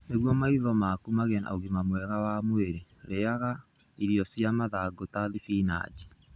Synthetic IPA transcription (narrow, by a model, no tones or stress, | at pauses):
neɣwɔmaiðɔmakumaɣena̰oɣimamwɛɣawamweɾeɾeaɣa | iɾiɔsjamaðaɡotaðifina̰d͡ʒi̥